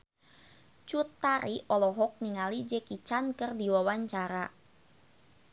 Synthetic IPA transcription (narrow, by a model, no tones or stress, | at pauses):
t͡ʃut̪ːaɾiʔɔlɔɦɔk̚niŋalid͡ʒɛkit͡ʃankərdiwawaɲt͡ʃaɾa